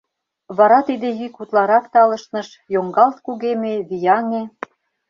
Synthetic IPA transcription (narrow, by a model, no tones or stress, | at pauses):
βɑɾɑt̪id̪ejykut̪lɑɾɑkt̪ɑlɤ̆ʃnɤ̆ʃ | joŋɡɑlt̪̚kuɣemeβijɑŋe